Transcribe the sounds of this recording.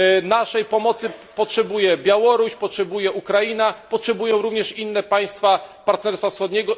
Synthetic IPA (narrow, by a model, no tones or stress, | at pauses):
naʂɛjpɔmɔt̪sɘpɔtʂɛbujɛbʲjawɔɾuɕpɔtʂɛbujɛʔukɾajinapɔtʂɛbujɔ̃w̃ɾuvɲɛʂinːɛpaj̃st̪fapaɾt̪nɛɾst̪fafsxɔd̪ɲɛɡɔ